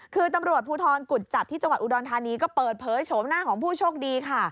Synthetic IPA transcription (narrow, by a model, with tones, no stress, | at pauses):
kʰɯː˧t̪a˧mɾu˨˩ət̪̚pʰuː˧t̪ʰɔː˧nku˨˩t̪̚t͡ɕa˨˩p̚t̪ʰiː˥˩t͡ɕa˧ŋwa˨˩ʔu˧dɔː˧nt̪ʰaː˧niː˧kɔː˥˩pɤː˨˩t̪̚pʰɤː˩˦jt͡ɕʰoː˩˦mnaː˥˩kʰɔː˩˦ŋpʰuː˥˩t͡ɕʰoː˥˩k̚diː˧kʰa˥˩